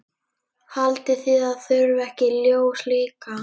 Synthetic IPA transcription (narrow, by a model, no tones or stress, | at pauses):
halt̪ɪθiðaðθʏɾvɛhcɪljoːwsliːka